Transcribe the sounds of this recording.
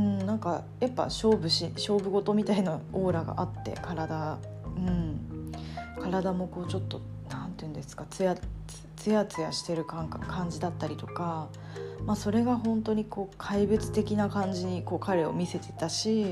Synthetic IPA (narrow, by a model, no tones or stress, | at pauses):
ɯ̟̃ɴnãŋka | japːa̰ɕo̞ːbɯ̟ɕiɕo̞ːbɯ̟ɡo̞t̪o̞mʲit̪ainoo̞ːɾaɡa̰ʔat̪ːe̞̰kaɾad̪a | ɯ̟̃ɴ | kaɾad̪amo̞ko̞ːt͡ɕo̞t̪ːo̞ | nãnt̪eɯ̟nd̪e̞sɨ̥kat͡sɨjat͡sɨ̥t͡sɨjat͡sɨjaɕi̥t̪e̞ɾɯ̟kãŋkʰãɲ̟d͡ʑid̪at̪ːaɾʲit̪o̞ka | maso̞ɾe̞ɡaɦõ̞nt̪o̞ɲ̟iko̞ːkʰaibɯ̟t͡sɨ̥t̪e̞kʲinakãɲ̟d͡ʑiɲ̟iko̞ːkaɾe̞o̞mʲise̞t̪e̞t̪aɕi